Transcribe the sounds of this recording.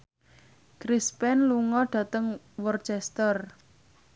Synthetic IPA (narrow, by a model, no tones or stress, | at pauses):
kɾispɛnluŋɔɖ̥ä̤t̪əŋ | wɔrt͡ʃɛst̪ər